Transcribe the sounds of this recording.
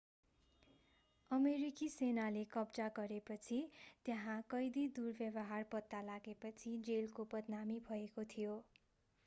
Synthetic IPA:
ʌmeɾikisenalekʌbd͡zaɡʌɾepʌt͡sʰit̪jʌɦãkʌjd̪id̪urbjʌbʌɦarpʌt̪ːalaɡepʌt͡sʰid͡zelkopʌd̪namibʱʌekot̪ʰijo

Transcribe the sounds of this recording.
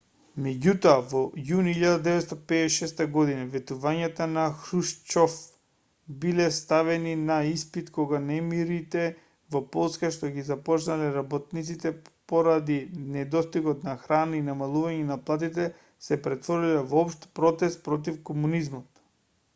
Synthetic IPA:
mɛɟut̪ɔavɔjuniʎːad̪ad̪ɛvɛt̪st̪apɛʃɛst̪aɡɔd̪inavɛt̪uvaɲat̪anaxɾuʃt͡ʃɔf | bilɛst̪avɛninaispit̪kɔɡanɛmiɾit̪ɛ | vɔpɔlˠskaʃt̪ɔɡizapɔt͡ʃnalɛɾabɔt̪̚nit̪sit̪ɛpoɾad̪inɛd̪ɔst̪iɡɔt̪naxɾanainamalˠuvaɲɛnaplˠat̪̬it̪ɛ | sɛpɾɛt̪vɔɾilɛvoɔpʃt̪pɾɔt̪ɛst̪̚pɾɔt̪̬ifkomunizmɔt̪

